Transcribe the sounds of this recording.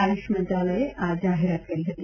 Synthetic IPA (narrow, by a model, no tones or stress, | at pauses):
aɾuʃəmɐ̃nt̪ɾaləeʔaːzaːɦeɾat̪̚kɐɾiɦɐt̪i